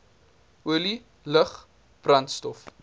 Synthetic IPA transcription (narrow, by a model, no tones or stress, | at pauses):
uəli | ləχ | b̥rɐntstɔf